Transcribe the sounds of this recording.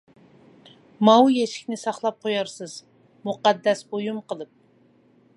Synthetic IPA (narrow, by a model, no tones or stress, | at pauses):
mɑwjeʃɪ̥kʲnɪsɑχlˠɑp̚qʰojɑɾsɨz̥ | muqɑd̪ːɛsbojumqəlˠɨp̚